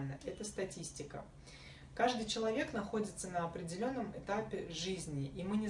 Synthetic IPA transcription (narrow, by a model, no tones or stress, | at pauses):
lʲnəɛt̪əst̪ɐtʲisʲtʲɪkə̰ | kaʐd̪ɨjt͡ɕɪlˠɐvʲe̞knɐxo̞dʲɪt̪sənəɐpɾʲɪdʲɪlʲo̞nːəmɪt̪apʲɪʐɨzʲnʲɪʔimɨnʲɪ